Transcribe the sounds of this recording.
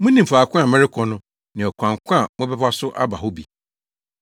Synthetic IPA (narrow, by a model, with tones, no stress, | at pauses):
mʊ̃˦nĩ˨m̩˨fa˨kʰʊ̃˦a˨mɛ̃˦ɾɪ˦kʰɔ˨nʊ̃˦ | nɪ̃˨ɔ˨kʷã˨ŋ˨kʷʰʊ̃˦a˨mʊ̃˦bɛ˦ba˦sʊ˦ʔa̰˦ba˨ɦʊ˦bi˨